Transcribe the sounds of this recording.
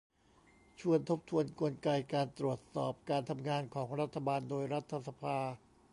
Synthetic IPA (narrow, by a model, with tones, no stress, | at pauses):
t͡ɕʰu˧ənt̪ʰo˦˥p̚t̪ʰu˧ənku˧ənka˧jkaː˧nt̪ɾu˨˩ət̪̚sɔ̰ː˨˩p̚kaː˧nt̪ʰa˧mŋaː˧nkʰɔː˩˦ŋɾa˦˥t̪ʰːa˧baː˧ndoː˧jɾa˦˥t̪ʰːa˧sa˧pʰaː˧